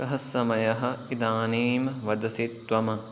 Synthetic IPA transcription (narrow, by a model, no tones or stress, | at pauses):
kɐɦɐsːɐmɐjɐɦɐ̆id̪aːniːmʋɐd̪ɐsit̪ʋɐmɐ